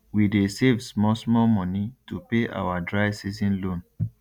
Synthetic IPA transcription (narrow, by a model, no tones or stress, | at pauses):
widesevsmɔsmɔmɔ̃nitupeʔa̰wadɹaɪvsizĩnlõn